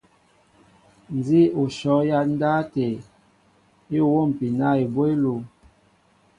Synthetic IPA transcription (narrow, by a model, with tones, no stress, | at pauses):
n˨zi˦o˨ʃɔ˨˦ja˦n̩˦da˦te˨ | e˦˨wo˦˨m̩˨pi˨na˦˨e˨bwe˦lu˨